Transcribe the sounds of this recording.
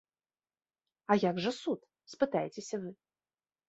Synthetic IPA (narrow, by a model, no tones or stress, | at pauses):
ajaɡʐɨsut̪ | spɨt̪ajɪt͡sʲesʲɐvɨ